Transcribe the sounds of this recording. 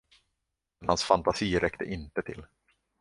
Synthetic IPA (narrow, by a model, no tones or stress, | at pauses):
nhansfant̪asiːɾʔɛkt̪ʰə̰ʔɪnt̪ət̪ʰɪl